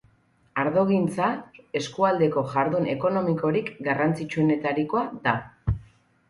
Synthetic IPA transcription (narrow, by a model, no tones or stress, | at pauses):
aɾðo̞ɣint͡sae̞skuald̪e̞ko̞ʝaɾðune̞ko̞no̞miko̞ɾikɡarant͡sit͡ʃune̞t̪aɾiko̞aða